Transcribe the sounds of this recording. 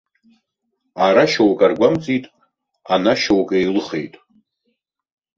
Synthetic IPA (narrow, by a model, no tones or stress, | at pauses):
aɾaʃawkʼarɡʷamt͡sʼitʼ | anaʃowkʼejlɨχe̞̰jtʼ